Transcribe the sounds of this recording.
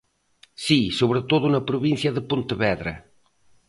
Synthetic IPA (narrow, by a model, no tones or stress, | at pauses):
sisoβɾət̪oðunɐpɾuβinθjɐðəpunt̪əβɛðɾɐ̰